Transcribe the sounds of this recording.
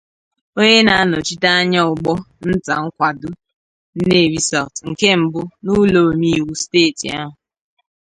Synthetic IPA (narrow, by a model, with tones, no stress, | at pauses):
o˦ɲe˦na˨a˦nɔ˨t͡ʃi˦ta˦a˦ɲa˦ʊ˨ɡ͡bɔ˦ | n̩˦ta˨ŋ̩˦kʷa˨dʊ˦ | n̩˦ne˦˨ɾi˦sa˨ltŋ̩˨ke˦m̩˨bʊ˦nu˦lo˨mi˦i˨wu˦steː˦˨tḭ˨a˦ɦʊ˨